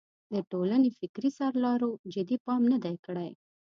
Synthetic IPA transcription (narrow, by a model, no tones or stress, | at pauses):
d̪əʈolanefɪkɾisɑɾlɑɾod͡ʒɪd̪ipɑmnad̪ajkəɽaj